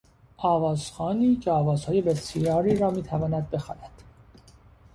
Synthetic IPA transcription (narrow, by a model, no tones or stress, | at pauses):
ʔɒːvɒːz̥xɒːniːcʰeɒːvɒːz̥hɒːje̞besijɒːɾiːɾɒːmiːt̪ʰævɒːnæd̪̚be̞xɒ̰ːnæd̪̥